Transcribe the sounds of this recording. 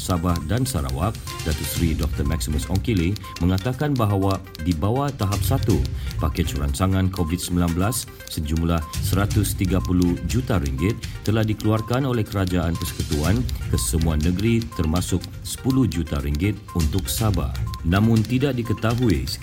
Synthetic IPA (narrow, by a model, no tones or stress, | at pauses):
sabahdansaɾa̰wak̚ | dat̪osɾidɔk̚t̪ərmak̚siməsɔŋkili | mə̃ŋat̪akanbaɦawa | dibawat̪aɦap̚sat̪upakɛt͡ʃuɾa̰nsaŋãnkʰovit̪̚səmbilanbəlasː | əd͡ʒumlahsəɾat̪ʊst̪iɡapuluhd͡ʒut̪aɾiŋɡɪt̪̚ːəlahdikəluarkanolɛhkəɾad͡ʒaanpərsə̥kut̪uankəsəmuanəɡɾit̪ərmasʊk̚sə̥puluhd͡ʒut̪aɾiŋɡɪt̪̚unt̪ʊk̚saba̰nãmʊ̃nt̪idak̚dikət̪aɦui